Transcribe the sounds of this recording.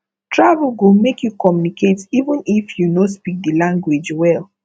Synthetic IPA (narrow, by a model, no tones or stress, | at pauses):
tɹavlɡomekʰjukɔmjunikʰetivə̃nifjunospik̚dilãŋɡwed͡ʒwɛl